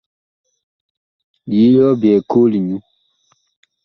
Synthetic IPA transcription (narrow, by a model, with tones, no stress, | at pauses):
ji˨˦jɔ˦bɛ˨ko˦li˨ɲũ˦